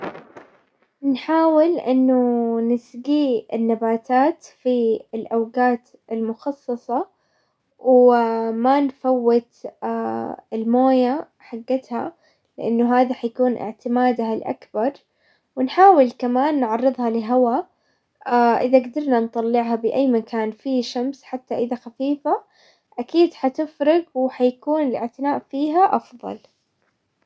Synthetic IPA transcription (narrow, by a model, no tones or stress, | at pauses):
nħaːwɪlʔɪnːʊnɪsɡiːɪnːabaːt̪aːt̪fiɪlʔawɡaːt̪ | ɪlmʊxɑsˤːɑsˤɑ | wmanfawːɪt̪ː | ɪlmoːja | ħaɡːɪt̪ha̰ | lɪʔanːʊɦaːðiħajakuːnʔɪ̰ʕt̪ɪmaːd̪aalʔa̰kbɑɾˤ | wɪnħaːwɪlkamaːnːʕɑrːɨðˤhɑlɪɦawa | aʔɪðaɡd̪ɑɾˤnant̪ˤɑlːɪʕɦabɪʔajːmakʰaːnfiʃamsħat̪ːaʔɪðaxafiːfa | ʔakiːd̪ħat̪ɪfɾɪɡwɪħajakuːnɪlɪ̰ʕt̪ɪnaːʔfiːɦaʔɑfðˤɑ̰l